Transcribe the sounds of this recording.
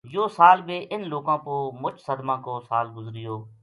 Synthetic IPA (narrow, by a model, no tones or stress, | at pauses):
joːsaːlbeːʔɪnloːkãːpoːmʊt͡ʃsəd̪mãːkoːsaːlɡʊzɾɪjoː